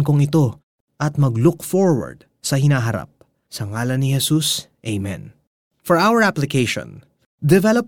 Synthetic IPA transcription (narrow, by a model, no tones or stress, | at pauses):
nkoŋɪt̪o̞ | ʔɐt̪̚mɐɡlʊkfɔɹwɐ̰ɹd̪̥̚ | sɐɦɪnaːɦɐɾa̰p̚ | sɐŋaːlɐnːɪhɛsusʔejmɛ̰̃n | fɔɹawɐɹaplɪkejʃɔ̰̃n | d̪ɛvɛlop